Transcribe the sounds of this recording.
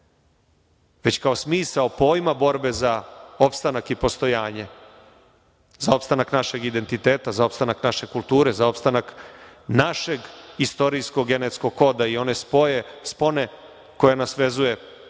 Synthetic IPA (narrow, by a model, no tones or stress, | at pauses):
ʋe̞t͡ɕkaosmiːsaopo̞ːjmabo̞ɾbe̞zaopst̪anakipo̞st̪o̞jaːɲe | zao̞pst̪anaknaʃe̞ɡid̪e̞nt̪it̪eːt̪azao̞pst̪anaknaʃe̞kulˠt̪uːɾe̞zao̞pst̪anaknaʃeɡist̪o̞ɾijsko̞ɡːe̞net̪sko̞ɡko̞d̪aio̞ne̞spojespo̞ne | ko̞janasʋe̞zuje̞